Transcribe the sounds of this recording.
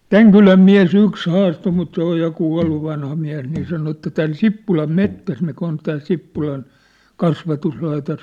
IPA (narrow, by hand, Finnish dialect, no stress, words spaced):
tæŋ kylæm miæ̝s yks hɑːstoː mut se oj jɑ kuɑ̝lːu ʋɑnhɑ miæ̝s niː sɑno etːæ tæn sipːulɑm metːæs mikæ on tæː sipːulɑn kɑsʋɑtuslɑitos